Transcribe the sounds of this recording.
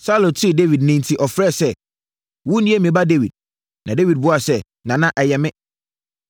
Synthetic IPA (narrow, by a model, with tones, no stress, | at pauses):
sa˦lõ˨tʰi˦˨de˦vi˨d̚nĩ˦ntʰi˨ʔɔ˨fɾɛ˦˨sɛ˦˨ | wũ˦nĩ˦e˦mĩ˨ba˦de˦wi˨d̚ | nʔã˨de˦vi˨d̚bʊ˦a˨sɛ˦ | nã˨nã˦ʔɛ˨jɛ˨mɪ̃˦